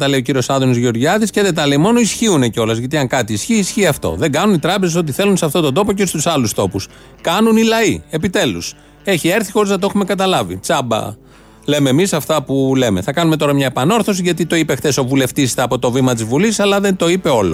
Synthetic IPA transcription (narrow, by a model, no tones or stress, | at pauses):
t̪ɐleo̞ciɾio̞sɐðonizʝio̞ɾʝɐðisceðet̪ɐleimo̞noisçiune̞ceo̞lɐzʝɐt̪iɐŋkɐt̪iːsçiːsçiɐft̪o̞̰ðe̞ŋɡɐnunit̪ɾɐpezesot̪iθe̞lunseɐft̪o̞t̪o̞nd̪o̞poceost̪usɐlust̪o̞pus | kɐnunilɐie̞pit̪e̞lus | e̞çie̞ɾθixo̞ɾiznɐt̪oexume̞kɐt̪ɐlɐvḭt͡sɐbɐ̰ | le̞me̞ːmisɐft̪ɐpule̞me̞θɐkɐnume̞t̪o̞ɾɐmɲɐe̞pɐno̞ɾθo̞s̬iʝɐt̪̬it̪o̞ipexθe̞so̞vule̞ft̪ist̪eɐːpo̞t̪o̞vimɐt̪̬izvulissɐlɐðe̞nt̪o̞ipe̞o̞lo